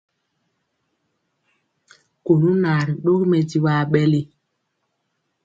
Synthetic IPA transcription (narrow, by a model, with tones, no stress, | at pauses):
ko˨nu˦na˨ɾi˨ɗo˦kmɛ˨di˦wa˦˨ɓɛ˦le˦